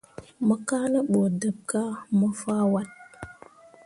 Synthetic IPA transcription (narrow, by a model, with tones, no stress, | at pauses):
mə˦ka˦nə˦ɓo˨də˨b̚ka˦mə˦fa˦wa˦t̚